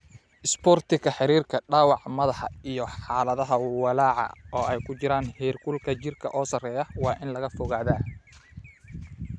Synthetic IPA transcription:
ʔɪspɔːrt̪ʰɪɣɐħɪɾiːrkʰɐɖaːwɑʕmɐðɑħɑijɔħɑːlɐðɐɦɐwɑlaːʕɑ̰ɔːɛjkʰʊt͡ʃɪɾaːnhɛːrkʰʊlkʰɐt͡ʃɪrkʰɐʔɔːsɐrɛːjɐwɑːʔɪnlɐɣɐfɔɣaːðaː

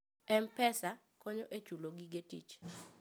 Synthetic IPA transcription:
ɛmpɛsa | kɔɲoʔet͡ʃuloɡiɡetḭt͡ʃ

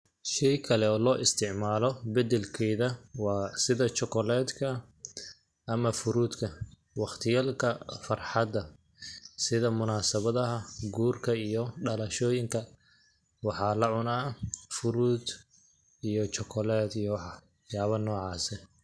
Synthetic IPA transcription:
ʃɛjkʰɐlɛɔːlɔːʔɪst̪ʰɪʕmaːlɔbɐd̪ɛlkʰɛːðɐwɑːsɪðɐt͡ʃɔkʰɔlɛːd̪kʰɐ | ʔɐmɐfʊɾuːd̪kʰɐ | wɑχt̪ʰɪjaːlkʰɐfɑrħɑd̪ɐ | sɪðɐmʊnaːsɐβɐðɐɦɐɡuːrkʰɐijɔɖɐlɐʃɔːjɪŋkʰɐ | wɑħɑːlɐʕʊnɐfʊɾuːd̪ | ijɔt͡ʃɔkʰɔlɛːd̪ijɔwħɑ | jaːβɐnɔːʕɑːsɛ

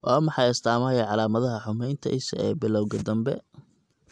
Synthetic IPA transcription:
ʔɔːmɑħɑjɐst̪ʰaːmɐjɐʕɑlaːmɐðɐɦɐħʊmɛjnt̪ʰɐ̰ʔɪsɐ̰ɛːbɪlɔwɣɐd̪ɐmbɛ̰

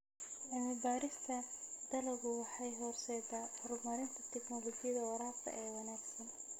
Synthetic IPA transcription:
ʔɪmɪbaːɾɪst̪ʰɐd̪ɐlɐɣʊwɑħɑjɦɔrsɛːdaːhɔɾʊɡmɐɾɪnt̪ʰɐt̪ʰɛɡnɔlɔɡɪjɐðɐwɐɾaːft̪ʰɐ̰ʔɛːwɑnaːɡsɐn

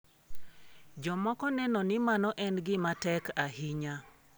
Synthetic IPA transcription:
d͡ʒɔmɔkɔnɛnɔnɪmanɔʔɛnɡɪmatɛkahiɲa

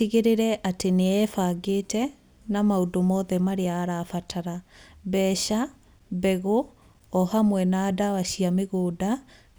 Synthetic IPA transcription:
iɣeɾeɾɛʔateneɛfaɡeːtɛ | namaodomɔːðɛmaɾeaːɾafatʰaɾabɛʃa | bɛɣo | ɔhamwɛnaːdawaɕiameɣoːda

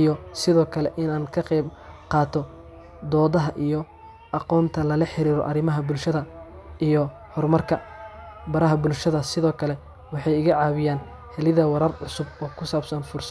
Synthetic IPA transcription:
jɔsɪðɔːkʰɐlɛʔɪnaːnkʰɐqɛjbqɑːt̪ʰɔ | d̪ɔːðɐɦɐʔijɔ | ʔɑqɔːnt̪ʰɐlɐlɐħɪɾiːɾɔ̰ʔɐrɪmɐɦɐbʊlʃɐðɐʔijɔ | hɔrmɐrkʰɐbɐɾɐɦɐbʊlʃɐðɐsɪðɔːkʰɐlɛ | wɑħɑjɪɣɐʕɑːβɪjaːn | hɛlɪðɐwɑɾɐrʕʊsʊbɔːkʰʊsaːbsɐnfʊrs

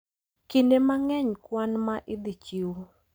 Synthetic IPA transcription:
kindemaŋɛɲkwanmaʔɪd̪it͡ʃiw

